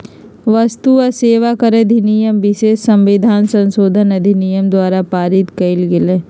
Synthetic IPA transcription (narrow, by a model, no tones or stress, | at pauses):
ʋɐst̪uɐseːʋakɐɾed̪ʱinijəmʋɪʃeːsːɐ̃mʋɪd̪ʱaːnsɐ̃nsoːd̪ʱənɐd̪ʱinijəmd̪waːɾapaːɾɪt̪kɐɪlɡɪleː